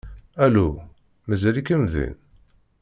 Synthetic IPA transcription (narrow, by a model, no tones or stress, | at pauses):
ælu | mæzælikəmðḭn